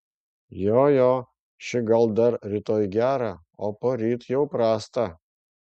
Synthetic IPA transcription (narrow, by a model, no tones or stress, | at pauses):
joːjoː | ʃʲɪɡɐlˠd̪ɐɾɾʲit̪oːjɡʲæːɾɑ | oːpoɾʲiːt̪jɛʊpɾɑːst̪ɐ